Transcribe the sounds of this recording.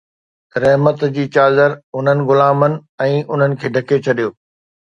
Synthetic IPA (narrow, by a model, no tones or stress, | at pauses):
ɾɐɦmət̪d͡ʑiːt͡ɕaːzəɾʊn̤ənɪ̆ɣʊlaːmənɪ̆ɛ̃ːʔʊn̤ənɪ̆kʰeːɖʱɐkʰet͡ɕʰɐɗijoː